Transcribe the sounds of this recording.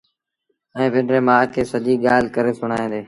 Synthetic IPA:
ɛ̃ːʋɪ̃ɖɾeːmãːkʰeːsəʄiːɠaːɪlkəɾeːsʊɽ̤̃aːĩːd̪eː

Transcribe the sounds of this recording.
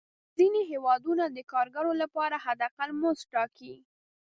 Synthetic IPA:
zineɦewɑd̪unad̪əkɑɾɡaɾolapɑɾaɦad̪aqalmozʈɑki

